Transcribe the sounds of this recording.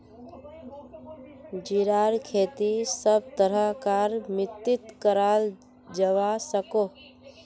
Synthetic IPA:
d͡ʒiɾaːɾkʰeːt̪isəb̚t̪əɾəkaːɾmɪt̪ːɪt̪kəɾaːl | d͡ʒəʋasəkoː

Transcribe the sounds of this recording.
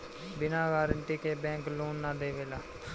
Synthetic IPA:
bɪnãːʋaːɾəɳʈiːkeːbɛ̃ːŋkloːnːaːd̪eːʋeːlaː

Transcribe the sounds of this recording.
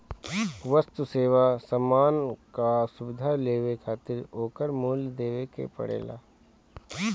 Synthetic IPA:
ʋəst̪useːʋasəmːaːnkasʊbɪd̪ʱaleːʋekʰaːt̪ɪɾoːkəɾmuːld̪eːʋekḛpɐ̰ɽḛːla̰ː

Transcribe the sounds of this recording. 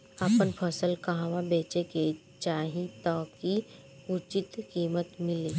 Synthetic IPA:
aːpənpʰəsəlkɐɦãʋabeːt͡ʃeke | t͡ʃaːɦĩt̪ɔːki | ʊt͡ʃɪt̪kiːmət̪mɪliː

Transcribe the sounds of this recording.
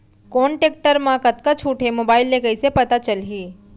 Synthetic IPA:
koːɳʈeːk̚ʈəɾmãkɐt̪̚kat͡ʃʰuʈʰemoːbaːɪlːekəisepɐt̪at͡ʃəlɦiː

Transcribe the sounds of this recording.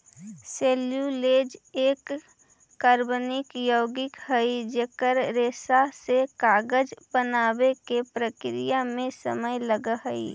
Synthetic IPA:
seːljuleːd͡ʒeːkː | əɾbnɪkjoːɡɪkɦəid͡ʒeːkəɾɾeːsasekaːɡəd͡ʒbənaːbekepɾəkɾijamẽsəməjləɡəɦəḭ

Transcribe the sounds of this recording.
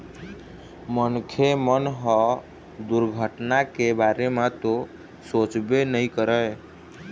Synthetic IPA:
mənkʰemənɦɔ | d̪uɾɡʱəʈnakebaɾemat̪o | sot͡ʃbenəjkəɾəj

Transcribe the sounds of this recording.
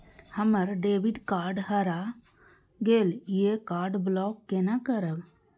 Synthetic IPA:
həməɾɖeːbiɖkaːɾɖɦəɾa | ɡeːlijekaːɾɖblɔːkːenakəɾəb

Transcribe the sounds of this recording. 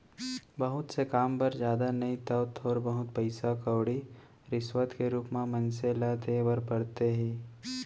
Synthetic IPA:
bəɦʊt̪sekaːmbɐɾd͡ʒjaːd̪anɐĩt̪ɐʋt̪ʰɔːɾbɐɦʊt̪̚pɐɪsakəwɽi | ɾɪswət̪keɾuːpmãmɐ̃nseːlad̪eʋɐɾpɐɽt̪eɦiː

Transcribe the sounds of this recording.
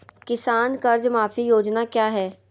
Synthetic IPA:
kɪsaːnkɐɾd͡ʒmaːfijoːd͡ʒnakjaːɦɛː

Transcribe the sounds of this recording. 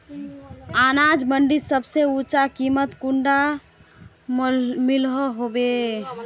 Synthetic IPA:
anad͡ʒməɳɖisəbseut͡ʃakimət̪kuɳɖa | milɦɔɦobe

